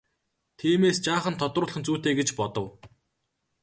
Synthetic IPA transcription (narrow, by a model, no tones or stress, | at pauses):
t̪ʰiːmeːst͡ɕaːχə̆nt̪ʰɔt̪rʊːɮχə̆nt͡suːt̪eːɡet͡ɕpɔt̪ɞ̆w